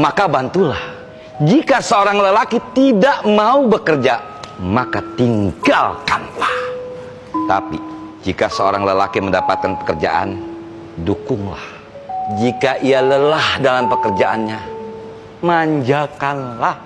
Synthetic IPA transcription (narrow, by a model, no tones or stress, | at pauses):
makabant̪ulah | d͡ʒikasəoɾaŋləlakit̪idaʔmaubəkərd͡ʒa | makat̪iŋɡalkanlah | t̪a̰pḭ | d͡ʒikasəoɾaŋləlakiməndapat̪̚kanpə̥kərd͡ʒa̰ʔa̰n | dukʊŋla̰h | d͡ʒikaʔialəlahdalampəkərd͡ʒaʔanɲa | maɲd͡ʒakanlah